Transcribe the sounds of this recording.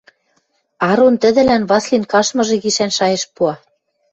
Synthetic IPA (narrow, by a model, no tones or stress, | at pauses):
ɑɾont̪ɘ̆d̪ɘ̆lænβɑslʲinkɑʃmɤ̆ʒɤ̆ɣiʃænʃɑjɤ̆ʃpuɑ